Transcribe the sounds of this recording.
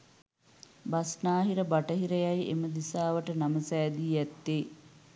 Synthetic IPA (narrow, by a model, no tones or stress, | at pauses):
basnaːɦiɾəbaʈəɦiɾəjajḛməd̪isaːʋəʈənaməsæːd̪iːjæt̪ːeː